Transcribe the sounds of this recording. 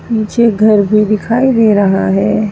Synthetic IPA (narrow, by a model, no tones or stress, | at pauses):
piːt͡ʃʰeɡʱɐɾbʱid̪ɪkʰaːid̪eːɾɐɦa̰ɦɛː